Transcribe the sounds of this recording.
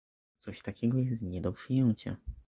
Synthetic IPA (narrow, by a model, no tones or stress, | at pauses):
t̪sɔɕt̪akʲɛɡɔjɛst̪ɲɛd̪ɔpʂɨjɛɲt͡ɕa̰